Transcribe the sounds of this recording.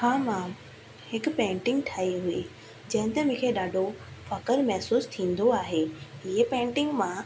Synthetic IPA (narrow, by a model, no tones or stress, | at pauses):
haːmãːm | hɪkpẽːɳʈɪ̃ŋɡʈʰaːiɦʊe | d͡ʑɐ̃ɦɪ̃nt̪emʊ̃ːkʰeːɗaːɖʱofɐkəɾmɛɦsuːst̪ʰĩːn̆d̪oaːɦeːɪɦepẽːɳʈɪ̃ŋɡmã